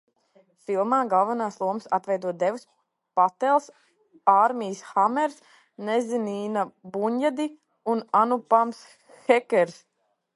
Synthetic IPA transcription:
filˠmaːɡalˠvanaːslˠuɔmsat̪vɛjd̪uɔd̪ɛvus | pat̪ɛlˠs | aɾmʲijsxamɛɾs | nɛzʲiniːnabuɲjad̪i | unanupams | xɛkʲɛɾs

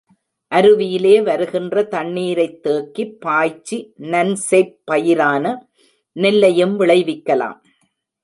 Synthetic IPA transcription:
ʔɐɾɯʋɪjɪleːʋɐɾɯɣɪndrɐt̪ɐɳːiːɾɐɪt̪ːeːkːipːaːjt͡ʃːinɐnseɪpːɐjɪɾaːnɐ | nɪlːɐjɯmʋɪɭɐɪʋɪkːɐla̰ːm

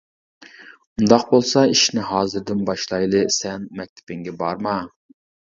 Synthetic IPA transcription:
und̪ɑqbolˠsɑiʃnɪɦɑːzɨɾd̪ɪnbɑʃlˠɑjlˠɨsɛnmɛk̚ʲt̪ʰɪ̥pɪŋɡʲɛbɑɾmɑ

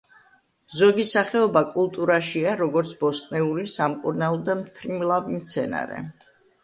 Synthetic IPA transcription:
zɔɡisaχɛɔbakʼulˠt̪ʼuɾaʃiaɾɔɡɔɾt̪sʰbɔsʼnɛuɾisamkʼuɾnalɔd̪amt̪ʰɾimlˠavimt̪sʰɛna̰ɾɛ̰

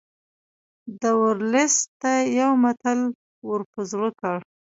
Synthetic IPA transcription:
d̪əwəɾlɪst̪ːajawmat̪al | wəɾpəzɾəkaɽ

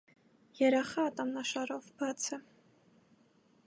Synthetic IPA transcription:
jɛɾɑχɑːt̪ʼɑmnɑʃɑɾɔvbɑt͡sʰə

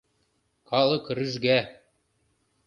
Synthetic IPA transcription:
kʰɑlˠɤ̆krɘ̆ʒɡæ

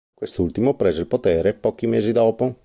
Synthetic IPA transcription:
kwest̪ult̪imopɾeːzeilpot̪eːɾepɔːk̟imeːzid̪ɔːpo

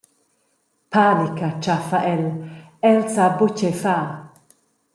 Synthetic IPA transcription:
pʰalɪkat͡ʃafaʔɛl | ɛlt͡sabot͡ʃɛfa

